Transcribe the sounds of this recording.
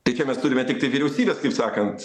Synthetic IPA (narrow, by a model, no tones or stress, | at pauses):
t̪ɐɪt͡ʃʲɛmʲɛst̪ʊɾʲɪmʲɛt̪ʲɪkt̪ɐɪʋʲiɾʲɛʊsʲiːbʲeːskɐɪpsɑːkɐnt̪